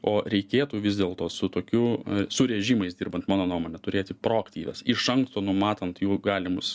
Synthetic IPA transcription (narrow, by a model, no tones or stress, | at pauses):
oːɾʲɛɪkʲeːt̪uːʋʲɪzd̪ʲeːlˠt̪oːsʊt̪oːkʲʊsʊɾʲɛʒʲiːmɐɪsd̪ʲiːrbɐnt̪mɑːnoːnuːmoːnʲɛt̪ʊɾʲeːt̪ʲɪpɾoːɐkt̪ʲiːʋʲɛ̰sɪʃɐŋkst̪oːnʊmɑːt̪ɐnt̪juːɡɑːlʲɪmʊs